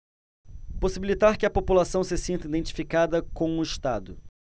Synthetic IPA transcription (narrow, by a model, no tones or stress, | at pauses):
posibilit̪aɾkɪɐpopulasɐ̃w̃sɪsĩnt̪ɐid̪ẽnt͡ʃi̥fikad̪ɐkõw̃ʊɪʃt̪ad̪ʊ